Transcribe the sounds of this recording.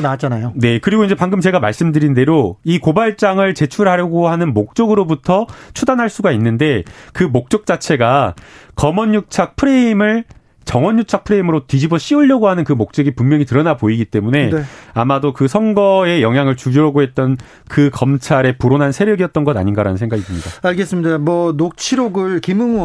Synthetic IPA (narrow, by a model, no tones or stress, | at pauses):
nat͡ɕ͈anajone̞kɯɾiɡoinɲd͡ʑe̞paŋɡɯmt͡ɕe̞ɡamaɭs͈ɯmdɯɾinde̞ɾoikobaɭt͡ɕ͈aŋɯɭt͡ɕe̞t͡ɕʰuɾɦaɾjʌɡohanɯnmok̚t͡ɕ͈oɡɯɾobutʰʌt͡ɕʰudanɦaɭs͈uɡainːɯnde̞kɯmok̚t͡ɕ͈ok̚t͡ɕ͈at͡ɕʰe̞ɡakʌmʌɲːuk̚t͡ɕʰak̚pʰɯɾe̞imɯɭ | t͡ɕʌŋwʌɲːjuk̚t͡ɕʰak̚pʰɯɾe̞imɯɾotid͡ʑibʌɕ͈iuʎːʌɡoɦanɯnkɯmok̚t͡ɕ͈ʌɡipummːjʌŋitɯɾʌnaboiɡit͈e̞mune̞amadokɯsʰʌnɡʌe̞jʌŋɦjaŋɯɭt͡ɕud͡ʑoɾaɡoɦe̞t̚t͈ʌn | kɯkʌmt͡ɕʰaɾe̞puɾonɦansʰe̞ɾjʌɡijʌt̚t͈ʌnɡʌda̰ɲinɡaɾa̰nɯnsʰe̞ŋɡaɡitɯmɲida̰aɭɡes͈ɯmɲidamwʌnok̚t͡ɕʰiɾoɡɯɭkimɯŋ